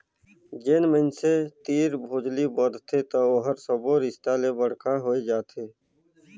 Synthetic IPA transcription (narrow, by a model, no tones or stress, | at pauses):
d͡ʒeːnmənset̪iːɾbʱoːd͡ʒlibɔd̪t̪ʰet̪ooːɦəɾsoboːɾɪst̪aːlebəɽ̤kʰãɦoːed͡ʒaːt̪ʰeː